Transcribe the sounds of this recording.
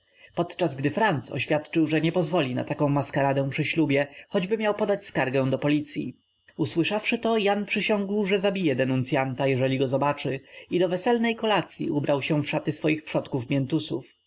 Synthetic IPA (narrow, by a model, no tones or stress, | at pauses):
pɔt̪t͡ʂazɡd̪ɘfɾant̪sɔ̰ɕfʲjat̪t͡ʂɘwʐɛɲɛpɔzvɔlʲina̰t̪akɔ̃w̃maskaɾad̪ɛ̃pʂɘɕlubʲjɛxɔd͡ʑbɘmʲjawpɔd̪at͡ɕskaɾɡɛ̃w̃d̪ɔpɔlʲit̪sʲjḭ | uswɘʂafʂɘt̪ɔjanpʂɘɕɔ̃ŋɡwʐɛzabʲijɛd̪ɛnunt̪sʲjant̪ajɛʐɛlʲiɡɔzɔbat͡ʂɘid̪ɔvɛsɛlnɛjkɔlat̪sʲjḭʔubɾawɕɛ̃fʂat̪ɘsfɔjixpʂɔt̪kufmʲjɛnt̪usṵf